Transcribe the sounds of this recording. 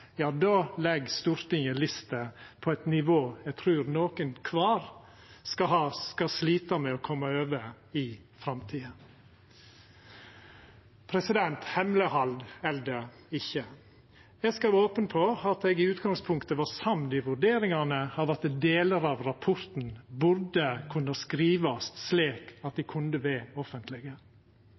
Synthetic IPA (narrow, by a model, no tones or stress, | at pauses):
jɑːd̪ɑːlɛɡst̪uːɾt̪ɪŋəlɪst̪əpʰɔɛt̪nɪʋoːɛɡt̪ʰɾʉːɾnoːkənkʰʋɑːɾ | skɑhɑsskɑsliːt̪əmɛɔkʰɔmːəøːʋə | ɪfɾɑmt̪ʰiːə | pʰɾɛsɪd̪ɛnt̪hɛmləhɑld̪ɛld̪ə | ɪçə | ɛskɑɾoːpənpʰɔɑt̪ɛɡɪʉːt̪ɡɑŋspʰʊŋkt̪əʋɑsɑmd̪ɪʋʉɾɖ̪eːɾɪŋɑnəɑʋɑt̪d̪eːləɾɑʋɾɑpʰɔɾt̪n̩bʉɾd̪əkʰʉnːəskɾiːʋɑst̪sleːkɑt̪̚d̪ɪkʰʉnd̪əʋeːɔfənt̪ʰlɪɡə